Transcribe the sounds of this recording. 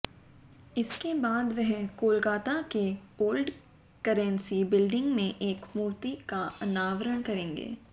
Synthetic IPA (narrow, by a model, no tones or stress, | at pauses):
ɪskebaːd̪ʋɛɦkoːlɡaːt̪akeoːlɖ | kɐɾə̃nsibɪlɖɪ̃ŋɡmẽʔeːkmuːɾt̪ikaɐnaːʋəɾəɽ̃kɐɾẽːŋɡḛː